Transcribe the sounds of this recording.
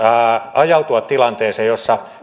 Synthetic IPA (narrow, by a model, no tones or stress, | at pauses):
ɑjɑut̪uɑt̪t̪ilɑnt̪eːseːjjosːɑ